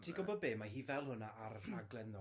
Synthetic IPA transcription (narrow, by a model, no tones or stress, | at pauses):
tʰiːɡɔbɔd̚beːmaɦiːvɛlˠhʊnaʔaɾaɡlˠɛnɔ